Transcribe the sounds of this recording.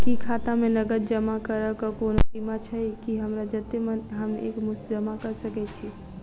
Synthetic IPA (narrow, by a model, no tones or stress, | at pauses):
kikʰat̪amenəɡəd̪̚d͡ʒəmakəɾəkɔkonosimat͡ʃʰəikiɦəmɾad͡ʒət̪emənɦəmḛkmʊst̪d͡ʒəmakəɾsəkɛt͡ʃʰi